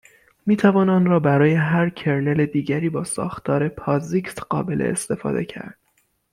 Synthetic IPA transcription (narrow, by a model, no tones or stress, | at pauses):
miːt̪ʰævɒːnɒːnrɒːbæɾɒːje̞ɦæɾcʰe̞ɾne̞led̪iːɟæɾiːbɒːsɒ̰ːxt̪ʰɒːɾe̞pʰɒːzikt̪ɢ̥ɒːbe̞lʔḛḛst̪e̞fɒ̰ːd̪e̞̰cʰæ̰ɾd̪̥̚